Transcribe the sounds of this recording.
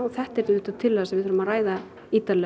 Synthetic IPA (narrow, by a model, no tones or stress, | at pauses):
θɛht̪ɛɾt̪ɪnʏht̪at̪ʰɪlːaasɛvɪʏɾʏmaðraːjða | iːt̪alɛ